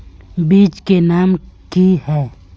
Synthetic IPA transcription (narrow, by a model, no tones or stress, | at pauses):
biːt͡ʃkenaːmkiɦɛː